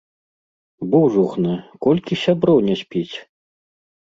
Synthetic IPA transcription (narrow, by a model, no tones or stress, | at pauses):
buʐuxnɨkɔlʲkʲisʲabɾɔwnʲɛsʲpʲit͡sʲ